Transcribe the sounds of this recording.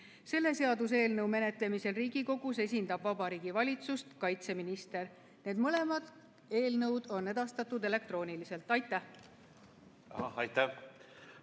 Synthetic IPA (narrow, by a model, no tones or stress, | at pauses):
se̞lːe̞se̞ɑd̪us̬e̞ːlnɤwme̞ne̞t̪ˑle̞mise̞lriːɡiko̞ɡ̥use̞s̬ʲind̪ɑb̥vɑbɑɾiːɡ̥ivɑlʲit̪sust̪kɑjt̪se̞minist̪e̞r | ne̞ːd̪̥mɤle̞mɑd̪̥ | e̞ːlnɤwd̪̥o̞nːe̞d̪̥ɑst̪ɑt̪ːˑud̪e̞le̞k̚t̪ro̞ːnilise̞lt̪ˑɑjt̪ːˑæh | ɑɑjt̪ːæ